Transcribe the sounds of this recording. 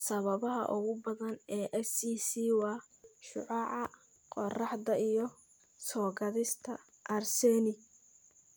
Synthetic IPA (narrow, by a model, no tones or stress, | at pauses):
sɐβɐβɐɦɐ̰ʔʊɣʊbɐðɐnɛːʔɛsiːsiːwɑː | ʃʊʕɑʕɑ | qɔrɑħd̪ɐʔijɞ | sɔːɡɐðɪst̪ʰɐ̰ | ʔɐrsɛːnɪ